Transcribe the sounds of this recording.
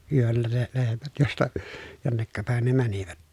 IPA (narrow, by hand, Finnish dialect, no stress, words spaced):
yølːæ ne lehmæt jostɑ jonːekːɑ pæˑen ne mæniʋæt